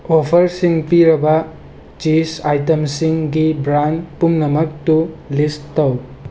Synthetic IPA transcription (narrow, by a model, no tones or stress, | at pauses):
opʰɐɾsiŋpiɾɐbɐ | t͡ʃisajtɐmsiŋɡibɾanpumnɐmɐk̚tulistːɐw